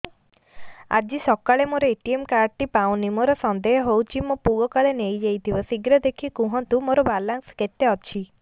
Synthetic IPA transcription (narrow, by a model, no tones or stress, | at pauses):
a̰d͡ʒisɔkaɭemoɾɔeʈiemkaɾʈipaw̃nimoɾɔsɔnd̪eɦɦowt͡ʃʰimopuɡɔkaɭenejd͡ʒejt̪ʰibɔsiɡɾɔd̪ekʰikũɦɔnt̪umoɾɔbalaŋsket̪eɔt͡ʃʰi